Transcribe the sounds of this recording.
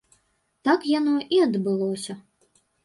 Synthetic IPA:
t̪akjanɔʔiɐd̪bɨlˠɔsʲɐ

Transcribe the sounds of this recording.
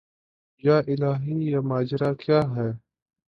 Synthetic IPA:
jaːʔɪlaːɦiːjaːmaːd͡ʒɾaːkjaːɦɛː

